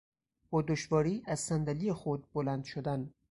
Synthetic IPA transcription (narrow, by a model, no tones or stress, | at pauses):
b̥ɒːd̪oʃvɒːɾiːʔæz̥sænd̪æliːjexod̪̚bolænd̪ʃod̪æn